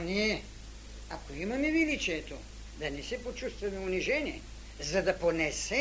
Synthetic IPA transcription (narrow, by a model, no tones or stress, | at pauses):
niɛ | akoimɐmɛvilit͡ʃiɛt̪o | d̪ɐnɛsɛpot͡ʃust̪vɐmɛuniʒɛniɛ | zad̪aponɛsɛ